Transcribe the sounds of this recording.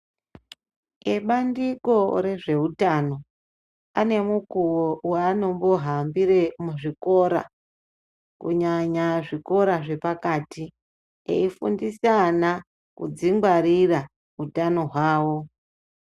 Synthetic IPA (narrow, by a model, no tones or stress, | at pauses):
eɓandiko̞ɾe̞ʐe̞utano̞ | ane̞mukuwoweano̞mbo̞ɦambiɾe̞muʐiko̞ɾa̰ | kṵɲaɲaʐiko̞ɾaʐe̞pakati | ḛifundisana | kud͡ziŋɡwaɾira | utano̞ɦwaːwo̞